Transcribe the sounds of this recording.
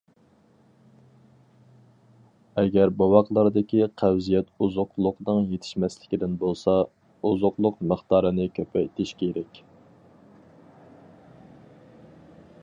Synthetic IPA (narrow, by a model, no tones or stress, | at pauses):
ɛɡʲɛɾbɑwɑqlˠɑɾd̪ɪkʲiqʰæwzijɛt̪uzʊqlˠʊqnɨŋjet̪ʰɪ̥ʃmɛslɪkʲid̪ɪnbolˠsɑ | uzʊqlˠʊqməχt̪ɑːɾɨnɨkʲʰøpʰɛt̪ʰɪʃkʲʰeɾɛkʲ